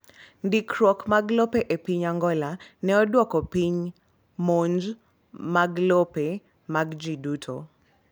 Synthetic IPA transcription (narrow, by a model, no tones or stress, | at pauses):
ndikɾwɔkmaɡlopeʔepiɲaŋɡɔlanɛɔdwɔkɔpiɲ | moɲd͡ʒ | maɡlope | maɡd͡ʒidutʰo̰